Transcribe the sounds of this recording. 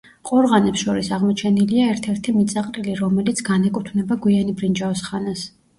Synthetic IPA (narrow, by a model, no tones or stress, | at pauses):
qʼɔɾʁanɛpsʃɔɾisaʁmɔt͡ʃʰɛniliaɛɾt̪ʰɛɾt̪ʰimit̪sʼaqʼɾiliɾɔmɛlit̪sʰɡ̥anɛkʼut̪ʰvnɛbaɡwianibɾind͡ʒavsχanas